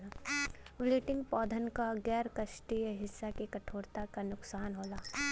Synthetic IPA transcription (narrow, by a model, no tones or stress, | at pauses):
awlɪːʈɪ̃ŋɡpɔːd̪ʱənkaɡɛːɾkəʃʈijɦɪsːakekɐʈʰoːɾt̪akanʊksaːnɦoːlaː